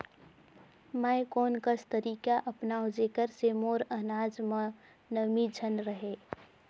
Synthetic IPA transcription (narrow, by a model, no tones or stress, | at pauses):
majkoːnkəst̪əɾiːkaʔəpnaːʊd͡ʒeːkəɾsemoːɾənaːd͡ʒmə | nəmid͡ʒʱənɾəɦe